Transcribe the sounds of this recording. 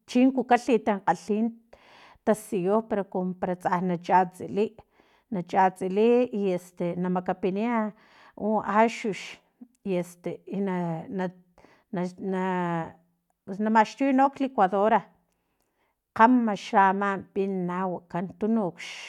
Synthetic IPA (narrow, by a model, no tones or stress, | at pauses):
t͡ʃiŋkukaɬit̪aŋqaɬiːn | t̪asijohpeɾokompaɾat͡sahnat͡ʃat͡siliʔ | nat͡ʃat͡siliiest̪enamakapinia | uʔaʃuʃ | iest̪einana | nana | psnamaʃt̪ujnoklekwaðoɾa | qamːaʃamampinawakant̪unukʃ